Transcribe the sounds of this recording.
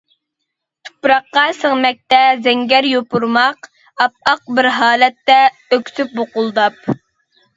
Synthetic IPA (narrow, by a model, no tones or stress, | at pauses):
t̪ʰu̥pɾɑqːɑsəŋmɛk̚ʲt̪ɛzɛŋɡʲɛɾjopuɾmɑq | ɑp̚ɑq̚bɪɾɦɑːlɛt̪ːɛ | økʲsyp̚boqʊlˠd̪ɑp̚